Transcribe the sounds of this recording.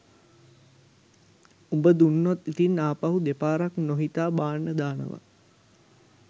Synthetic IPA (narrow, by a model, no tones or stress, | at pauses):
umbəd̪unːot̪ːit̪inːaːpaɦud̪epaːɾaknoɦit̪aːbaːɳːəd̪aːnə̰ʋa̰